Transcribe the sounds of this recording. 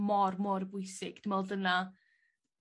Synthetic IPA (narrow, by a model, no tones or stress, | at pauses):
mɔrmɔrbʊɨsɪɡ̥d̥əmɛlˠdəna